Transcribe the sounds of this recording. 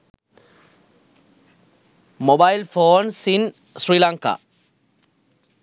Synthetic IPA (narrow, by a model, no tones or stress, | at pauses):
mobajlfoːnsin | sɾilaŋka̰